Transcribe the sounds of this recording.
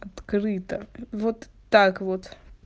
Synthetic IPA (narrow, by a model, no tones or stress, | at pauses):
ɐt̪kɾɨt̪əvot̪ːakvot̪